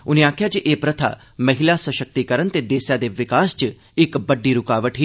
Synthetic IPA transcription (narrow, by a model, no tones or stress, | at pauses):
ʊnẽaːkʰjat͡ʃiʔeːpɾət̪ʰa̰ | mɐɦɪlasəʃək̚t̪ikəɾənt̪ed̪eːsjad̪eʋɪkaːst͡ʃ | ɪkbəɖːiɾʊkaːʋəʈɦiː